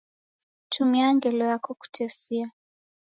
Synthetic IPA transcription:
tʰumiaŋɡɛlɔjakɔku̥tʰɛsia

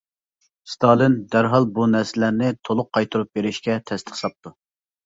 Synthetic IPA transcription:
st̪ʰɑlˠɨnd̪æɾɦɑlˠbunɛɾsɪlæɾnɪt̪ʰolˠʊqʰːɑjt̪ʰuɾup̚beɾɪʃkʲɛt̪ʰɛst̪ʰə̥χsɑp̚t̪ʰu

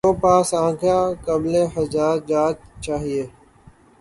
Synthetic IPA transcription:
oːpaːsãːkʰjãːkəbleːɦəzaːɾd͡ʒaːd͡ʒt͡ʃaːɦieː

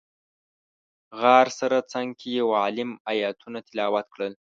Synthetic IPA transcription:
ɣɑɾsaɾat͡saŋɡkʰejawɑlɪmajɑt̪ʰunat̪ɪlɑwat̪kɽəl

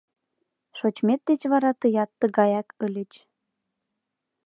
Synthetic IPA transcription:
ʃot͡ɕmet̪̚d̪et͡ɕβɑɾɑt̪əjɑt̪ːəɣɑjɑkəlʲət͡ɕ

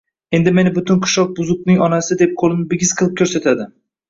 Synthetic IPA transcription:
e̞nd̪ɪme̞nɪbʊt̪ʰɪnqʰʊ̥ʃɒq̚bʊzʊknɪŋɒnasɪd̪ep̚qʰolˠɪnɪbɪɡʲɪz̥qʰɨlˠɪp̚kʰʲɵɾset̪ʰad̪ɪ

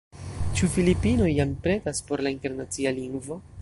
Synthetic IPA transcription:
t͡ʃufilipino̞jːampɾe̞taspo̞ɾlainte̞ɾnat͡sialiŋɡvo̞

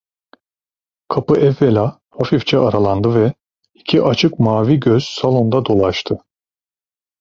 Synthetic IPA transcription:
kʰapɯʔɛvːelʲa | hafift͡ʃʰɛʔaɾalˠand̪ɯvɛ | icʰiʔat͡ʃʰɯkmaːviɟøz̥salˠo̞nd̪ad̪o̞lˠaʃt̪ʰɯ

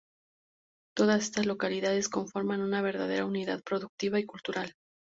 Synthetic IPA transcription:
t̪o̞ðase̞st̪azlo̞kaliðað̞e̞sko̞ɱfo̞ɾmanunaβ̞e̞ɾðað̞e̞ɾauniðaðpɾo̞ðuk̚t̪iβaikult̪uɾal

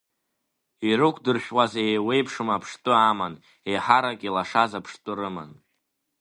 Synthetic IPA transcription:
iɾɨkʷʰdɨrʃᶣwazaejwe̞jpʰʂɨmapʰʂtʼɨaman | e̞jħaɾakʼilaʂazapʰʂtʼɨrɨma̰n

